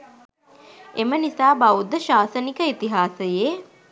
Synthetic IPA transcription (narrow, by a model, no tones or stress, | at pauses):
emənisaːbɐud̪ːəʃaːsənikəit̪iɦaːsəje